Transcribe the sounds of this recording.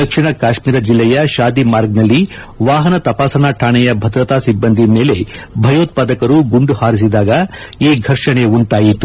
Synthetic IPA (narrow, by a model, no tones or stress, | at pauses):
d̪ɐkʂiɳɐkaːʃmiːɾɐd͡ʒilːɛjɐʃaːd̪imaːɾɡnɐlːi | ʋaːɦɐnɐt̪ɐpaːsɐnaːʈʰaːɳɛjɐbʱɐd̪ɾɐt̪aːsibːɐnd̪ʱimeːle̞bʱɐjoːt̪̚paːd̪ɐkɐɾuɡuɳɖuhaːɾis̬id̪aːɡɐeːɡʱɐɾʂɐɳe̞uɳʈaːjit̪ːu